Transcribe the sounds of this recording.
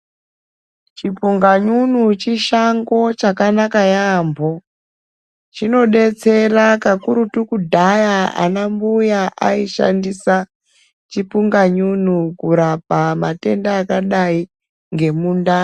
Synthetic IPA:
t͡ʃipuŋɡaɲunut͡ʃiʃaŋɡo̞t͡ʃakanakajaːmbʱo | t͡ʃino̞ɗe̞t͡se̞rakakuɾutukudʱajaa̰nambujaʔaiʃa̰ndisa | t͡ʃipuŋɡaɲun̤ukuɾap̚amate̞ndaːkaɗai | ŋɡe̞muːnda

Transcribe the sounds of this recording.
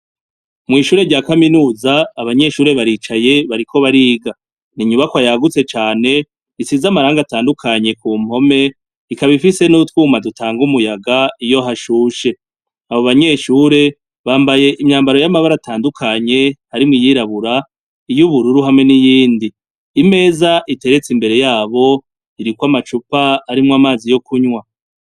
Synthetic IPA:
mŋiːʃuːɾe̞ɟaːkaminuːzaːβaɲe̞ʃuːɾe̞βaɾiːt͡ʃaje̞βaɾikʰo̞βaɾiːɡa | niɲuβakwajaɡut͡se̞t͡ʃaːne̞ | isizamaɾaːŋɡataːndukʰaɲe̞kuːm̥ho̞me̞ | ikaβifise̞nutwuːmadutʰaːŋɡumujaɡaijo̞ɦaʃuʃe̞ | aβo̞βaɲe̞ʃuːɾe̞ | βaːmbaje̞ʔimɲaːmbaɾo̞jamaβaɾataːndukʰaɲe̞haɾimŋijiɾaβuɾa | ijuβuɾuɾuɦamŋe̞nijiːndiː | me̞ːzaʔite̞ɾe̞t͡simbe̞ɾe̞jaːβo̞ | iɾikwamat͡ʃupaːɾimŋamaːzijo̞kʰuɲwa

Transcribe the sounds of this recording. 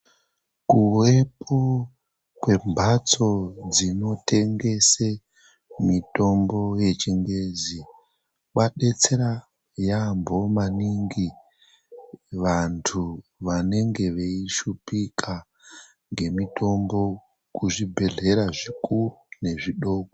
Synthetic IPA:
kuwe̞pʰo | kwe̞mbʱat͡so̞d͡zino̞tʰe̞ŋɡe̞se | mito̞mbo̞je̞t͡ʃiŋɡe̞d͡zi | kwaɗe̞t͡se̞ɾa | jambʱo̞maniŋɡi | ʋantʰuʋane̞ŋɡe̞ʋeiʃupikʰa | ŋɡe̞mito̞mbo̞ | kuʐibʱe̞ɮe̞ɾaʐikurune̞ʐiɗo̞ːko

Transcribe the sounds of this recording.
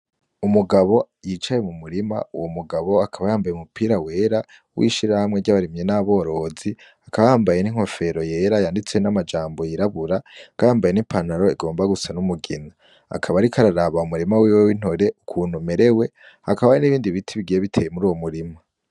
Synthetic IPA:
umuɡaβo̞ | jit͡ʃaje̞mumuɾima̰uwomuɡaβo̞akʰaβajaːmbajumupʰiːɾawe̞ːɾa | wʔḭʃiɾahamŋe̞ɟaβaɾimɲe̞naβo̞ɾo̞zi | akʰaβajaːmbajeniŋ̥o̞fe̞ɾo̞je̞ːɾajaːndit͡swenamad͡ʒaːmbo̞jiɾaβuɾakajaːmbajenipʰanaɾo̞iɡo̞ːmbaɡusanumuɡina | a̰kʰaβaɾikʰaɾaɾaβaumuɾimawiwewin̥hoɾe̞ʔukʰuːn̥umeɾe̞we̞ | hakaβajiniβiːndiβitʰiβiɡije̞βitʰe̞ːjemuɾuːwo̞muɾima

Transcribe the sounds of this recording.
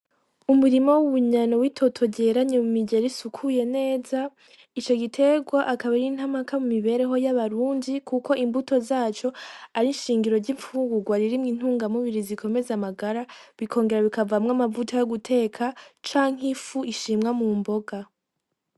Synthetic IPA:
umuɾimo̞wuβuɲanowitʰo̞tʰo̞ɟe̞ɾaɲe̞mumiɟe̞ɾisukʰuje̞ne̞ːza | it͡ʃo̞ɟitʰe̞ɡwaʔakaβaɾin̥hamakamumiβe̞ɾe̞ɦo̞jaβaɾuːndikʰuko̞ʔimbuto̞zaːt͡ʃo̞aɾinʃiːŋɡiɾo̞ɾɟiɱfuɡuɡwaɾiɾimŋin̥huːŋɡamuβiɾizikʰo̞me̞zamaɡaɾaβikʰo̞ːŋɡe̞ɾaβikavamŋamavutʰojoɡutʰe̞ːkʰat͡ʃaːŋ̥ifuʔiʃiːmŋamumbo̞ɡa

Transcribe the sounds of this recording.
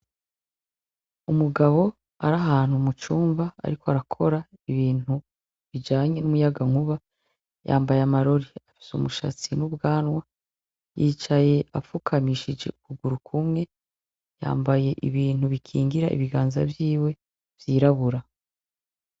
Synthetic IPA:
umuɡaβo̞ | aɾaɦaːn̥umut͡ʃuːɱva̰ːɾikoaɾakʰo̞ɾaiβiːn̥u | βid͡ʒaːɲe̞numujaɡaŋ̥uβa | ja̰ːmbajamaɾo̞ɾiafi̥sumuʃa̰t͡sinubɡaːnwa | jiːt͡ʃaje̞afukʰamiʃid͡ʒe̞̰ukuɡuɾukʰumŋe̞ | ja̰ːmbaje̞ʔiβiːn̥huβikʰiːŋɡiɾaʔḭβiɡaːnza̰vjiːwe̞ | vjiːɾaβuɾa

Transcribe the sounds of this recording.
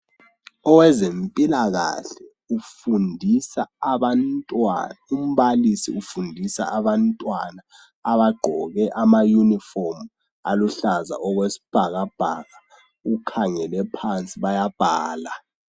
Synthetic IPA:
ɔwɛzempʼilaɣa̰ɬɛ | ufundʱisaːβantʼwa̰aum̩βalisḭufundʱisa̰aβantʼwanaː | βaɡ͡ǃʱɔɣɛʔamajunifɔrm | a̰luɬaza̰ʔɔɣwesi̥b̥ʱaɣab̥ʱa̰ɣa | ukʰaŋɛlɛpʰant͡sʼiβajab̥ʱaːla

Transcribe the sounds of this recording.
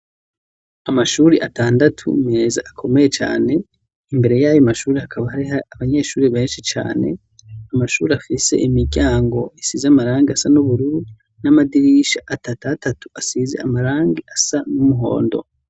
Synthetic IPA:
amaʃuːɾeʔataːndatʰṵme̞zaʔakʰo̞me̞je̞t͡ʃa̰ːne̞ | imbe̞ɾe̞jaːjomaʃuːɾehakʰaβahaɾiɦaaβaɲe̞ʃuːɾeβe̞ːnʃit͡ʃa̰ːne̞̰ | amaʃṵːɾeafise̞̰ʔimiɾɟaːŋɡo̞isiːzeamaɾaːŋɡiasanuβuɾuɾi | namadiɾiʃaʔatatatatu̥asizḛamaɾaːŋɡiasanumuɦo̞̰ːndo̞̰

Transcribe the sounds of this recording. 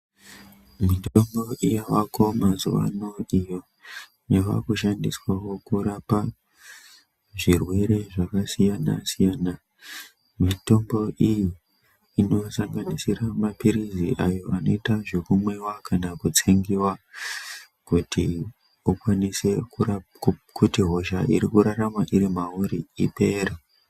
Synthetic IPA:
mito̞mbo̞ʔijawako̞mazuʋa̰noijo̞ | neka̰kuʃandiswawo̞kuɾapa | ʐirwe̞ɾe̞ʐakasijana̰sijaːna | mito̞mbo̞ʔiji | ino̞saŋɡanisiramapiɾiziʔajo̞ano̞itaʐe̞kumwe̞wakanakut͡seŋɡiwa | kutʰi | ukwanise̞ku | kutiɦo̞ʒaʔiɾikuɾaramaʔiɾimauɾiipe̞ːra

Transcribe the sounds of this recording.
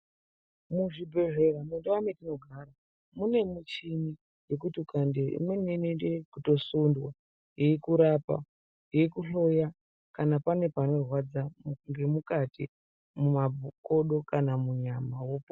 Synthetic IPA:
muʐibʱe̞ʐe̞ramendewametino̞ɡʱaːɾa | mune̞mut͡ʃini | je̞kutiukandeḭmenenendekuto̞sundwa | iikuɾapa̰ | ɦiikuɬo̞ja | kanapane̞pano̞rwad͡zaŋɡe̞mukati | mumako̞ɗo̞kanamuɲamawopo

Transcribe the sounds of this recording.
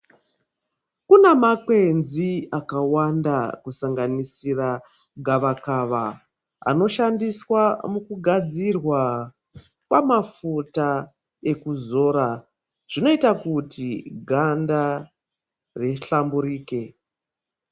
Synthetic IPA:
kunemakwe̞nziakawandakusaŋɡanisira | ɡʱaʋakaʋa | a̰no̞ʃandiswamukuɡʱad͡zirwa | kwamafuta | e̞kuzo̞ɾa | ʐ̥ino̞itakutiɡʱanda | re̞ɬambuɾiːke̞

